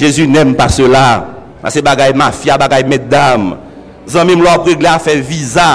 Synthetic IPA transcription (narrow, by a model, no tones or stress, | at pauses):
ʒezynɛmpasøla | pa̰sebaɡajmafjabaɡajmɛd̪am | zʌ̃mĩmlɔapɣeɡleafɛviza